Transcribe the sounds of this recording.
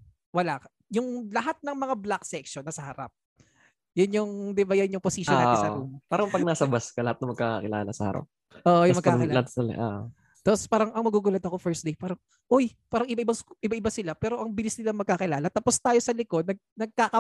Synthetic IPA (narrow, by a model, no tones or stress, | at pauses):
wɐlakɐ | jʊŋlɐɦat̪̚nɐŋmɐŋablaksɛkʃonɐsɐhɐɾa̰p̚ | jʊnjʊŋd̪ɪbɐjɐɲʊŋposiʃonapaːɾɐŋpɐɡ̚nasɐbɐskɐlɐhat̪̚ɐŋmɐɡ̚kakakɪla̰ːlɐsɐhɐ̰ɾa̰p̚ | ʔoʔjʊŋmɐɡkːaːɪlat̪sɐl̰ʔo̰ʔ | t̪apospaːɾɐŋɐŋmɐɡuːɡʊlɐd̪ɐko̞fɛɹsd̪ejpaːɾɐŋ | ʔojpaːɾɐŋɪbaʔɪbaŋsʔɪbaʔɪbasɪlapɛːɾo̞ʔɐŋbɪlɪsnɪlɐŋmɐɡ̚kaːkɪlaːlɐt̪apost̪aːjo̞sɐlɪkod̪̚nɐɡ̚nɐɡ̚kaːkɐ